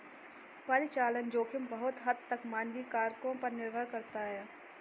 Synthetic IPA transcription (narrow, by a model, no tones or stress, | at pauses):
paːɾit͡ʃaːlənd͡ʒoːkʰɪmbɐɦʊt̪ɦɐd̪̚t̪əkmãːnd̪ikaːɾkõpɐɾnɪɾbʱəɾkɐɾt̪aɦɛː